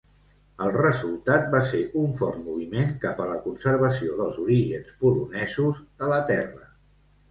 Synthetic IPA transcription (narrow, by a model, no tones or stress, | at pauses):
əlˠrəzulˠt̪at̪̚baseʔuɱfɔrt̪muβ̞imeŋkapələkunsəɾβəs̬ioðəlˠzuɾiʒənspulunɛzuzðələt̪ɛrə